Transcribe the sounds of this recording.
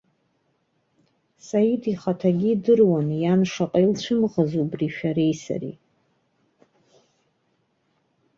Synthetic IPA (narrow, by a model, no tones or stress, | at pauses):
sajidʰiχatʰaɡʲidɨrwanjanʂaqʼajlt͡ɕʷʰɨmʁazubriʃᶣaɾejsa̰rḭ